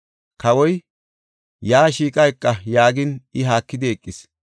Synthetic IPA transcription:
kɐwɔj | jaːʃiːkʼɐjkʼːɐjaːɡɪnɪɦaːkːɪd̪ɪɛkʼːɪs

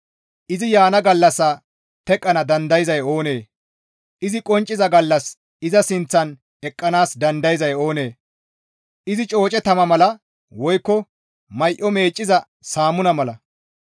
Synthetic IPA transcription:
ʔɪzɪjaːnɐɡɐlːɐsːaː | t̪ɛkʼːɐnɐd̪ɐnd̪ɐjɪzɐjo̞ːne̞ː | ʔɪzɪkʼɔnt͡ʃʼːɪzɐɡɐlːɐs | ɪzɐsɪnt͡sːɐn | ɛkʼːɐnaːsd̪ɐnd̪ɐjɪzɐjo̞ːne̞ː | ʔɪzɪt͡ʃʼo̞ːt͡ʃʼɛt̪ɐmɐmɐlɐ | wɔjkːɔ | mɐjʔɔme̞ːt͡ʃʼːɪzɐ | saːmʊnɐmɐlɐ

